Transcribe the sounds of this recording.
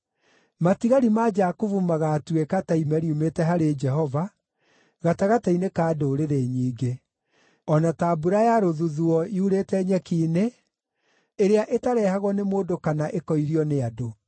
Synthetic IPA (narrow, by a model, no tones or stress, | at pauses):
matiɣaɾimad͡ʒakuvumaɣatuekataimɛɾiumetɛɦaɾed͡ʒɛɦɔva | ɣataɣatainekaːdoːɾeɾeɲiːɡe | ɔnatabuɾajaɾoðuðuɔiuɾetɛɲɛkiːne | eɾeaʔetaɾɛhaɣwɔnemoːdokanaʔekɔiɾiɔneado